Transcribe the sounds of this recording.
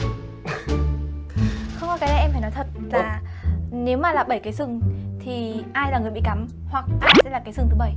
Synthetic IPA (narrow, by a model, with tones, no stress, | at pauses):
xə˧wŋ͡mkaː˨˩ka˨˦ɗa˧˩ʔɛ˧mfa˧˩jnɔ˨˦jt̪ʰə˨˩t̚laː˧˦˨ne˨˦wmaː˨˩laː˨˩ɓə˧˩jkaː˨˦jsɨ˨˩ŋt̪ʰi˨˩ʔaː˧jlaː˨˩ŋɨ˨˩əjɓḭ˧˨ka˨˦m | hwa˨˩k̚ʔaː˧jsɛ̰˧˥laː˨˩kaː˨˦jsɨ˨˩ŋt̪ʰɨ˨˦ɓə˧˩j